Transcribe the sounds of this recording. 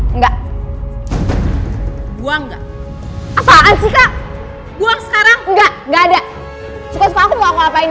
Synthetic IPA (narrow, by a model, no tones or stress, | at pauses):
ŋɡa | ɡuaŋɡa̰ | apaansika | ɡuwaŋskaɾaŋŋɡaɡada | sukʷasukʷakumaŋapa